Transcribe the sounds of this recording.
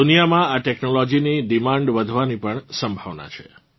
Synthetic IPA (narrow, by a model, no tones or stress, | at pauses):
unijamãaʈeknolɔd͡ʒiniɖimãɳɖʋəd̪ʱʋanipəɳsəmbʱaʋna̰t͡ʃʰḛ